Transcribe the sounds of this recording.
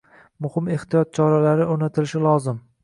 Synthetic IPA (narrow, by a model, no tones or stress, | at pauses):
mʊhɪme̞ht̪ijɒt̪̚t͡ʃʰɒɾalaɾɪoɾnat̪ʰɪlɪʃɪlˠɒzɪm